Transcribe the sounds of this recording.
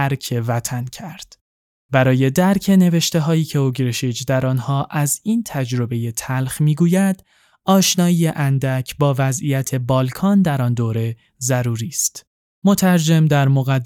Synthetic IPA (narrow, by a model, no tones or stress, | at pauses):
æɾcʰe̞væt̪ʰæncʰæɾd̪̥ | bæɾɒːje̞d̪æɾcʰe̞ne̞ve̞ʃt̪e̞ɦɒːiːcʰe̞oɡɾeʃid͡ʒd̪æɾɒːnhɒːʔæziːnt̪ʰæd͡ʒɾo̞be̞je̞t̪ʰælxmiːɡuːjæd̪̥ | ɒːʃnɒːiːjeʔænd̪æcʰbɒːvæzijæt̪ʰe̞bɒːlkʰɒːnd̪æɾɒnd̪oːɾe̞ | zæɾuːɾiːst̪ | mo̞t̪ʰæɾd͡ʒe̞md̪æɾmo̞ɣæd̪